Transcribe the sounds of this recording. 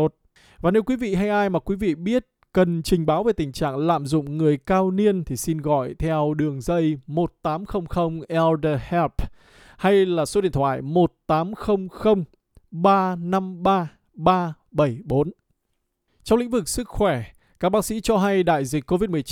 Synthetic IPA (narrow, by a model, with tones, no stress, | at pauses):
o˨˩t̚ | vaː˨˩ne˨˦wkwi˨˦vḭ˧˨ɦa˧jʔaː˧jmaː˨˩kwi˨˦vḭ˧˨ɓi˦˥ət̚kə˨˩nt͡ɕï˨˩ŋ̟ɓaː˨˦wve˨˩t̪ï˨˩ŋ̟t͡ɕa̰ː˧˨ŋla̰ː˧˨mzʊ̰˧˨ŋ͡mŋɨ˨˩əjkaː˧wni˧ənt̪ʰi˨˩si˧nɣɔ̰˧˨jt̪ʰɛ˧wɗɨ˨˩əŋzə˧jmo˨˩t̚t̪aː˨˦mxə˧wŋ͡mxə˧wŋ͡mʔɛ˧lɗə˧hɛ˦˥p̚ | ha˧jlaː˨˩so˨˦ɗḭ˧˨ənt̪ʰwaː˧˨jmo˨˩t̚t̪aː˨˦mxə˧wŋ͡mxə˧wŋ͡m | ɓaː˧na˧mɓaː˧ | ɓaː˧ | ɓə˧˩jɓo˨˦n | t͡ɕɔ˧wŋ͡mlḭ˧˥ŋ̟vɨ˨˩k̚sɨ˦˥k̚xwɛ˧˩ | kaː˦˥k̚ɓaː˧˥ksḭ˧˥t͡ɕɔ˧ɦa˧jɗa̰ː˧˨jzi˨˩k̚kːo˧vi˦˥t̚mɨ˨˩əjt͡ɕ